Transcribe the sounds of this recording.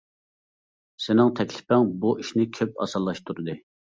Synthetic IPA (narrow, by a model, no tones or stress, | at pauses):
sɪnɪŋt̪ʰɛkʲʰlɪ̥pæŋbuʔiʃnɪkʲʰøp̚ɑ̰sɑlˠːɑʃt̪ʰuɾɨd̪ɨ